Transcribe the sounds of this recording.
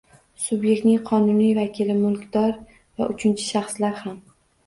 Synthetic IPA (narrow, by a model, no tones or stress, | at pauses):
sʊbje̞k̚t̪nɪŋqʰɒnʊnijvakʲɪlɪmʊlˠkʲd̪ɒɾ | vaʔʊt͡ʃʰɪnt͡ʃʰɪ̥ʃaχslaɾham